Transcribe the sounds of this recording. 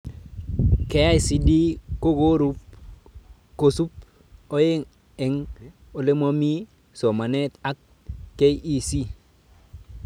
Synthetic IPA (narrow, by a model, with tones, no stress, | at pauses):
ke˨ja˦i˨si˨di˦ko˦ɡo˦ɾu˦p̚ | ko˨su˦p̚ | o˦je˦ŋ | ɛ˨ŋ | o˨le˦mo˦mi˦ | so˨ma˨ne˦t̪a˦kː | e˦ji˨si˦